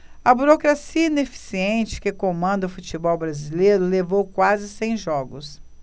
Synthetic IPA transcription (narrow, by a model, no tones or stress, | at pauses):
ɐbuɾokɾasiɐinefi̥siẽnt͡ʃɪ̥kɪkomɐ̃nd̪ɐʊfut͡ʃibɔwbɾazilejɾʊlevowkwazɪsẽj̃ʒɔɡʊs